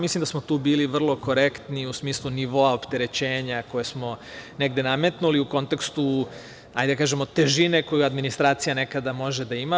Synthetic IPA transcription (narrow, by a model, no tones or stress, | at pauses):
mislimd̪asmo̞t̪uːbiːliʋr̩lˠo̞ko̞ɾe̞kt̪niusmiːslˠuniʋo̞aopt̪e̞ɾe̞t͡ɕe̞ːɲako̞je̞smo̞ne̞ɡd̪e̞name̞t̪nuliuko̞nt̪ekst̪u | a̰jd̪akaːʒemot̪e̞ʒine̞ko̞juad̪minist̪ɾaːt̪sijane̞kad̪amo̞ʒe̞d̪aima